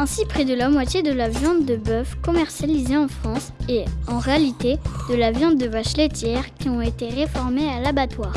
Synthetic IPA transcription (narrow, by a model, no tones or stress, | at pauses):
ɛ̃sipχɛd̪əlamwat̪jed̪əlavjɑ̃d̪ːəbœfkɔmɛʁsjalizeɑ̃fχɑ̃seɑ̃ʁealit̪ed̪əlavjɑ̃d̪ːəvaʃlet̪jɛʁkʲiɔ̃et̪eʁefɔʁmealabat̪waːʁ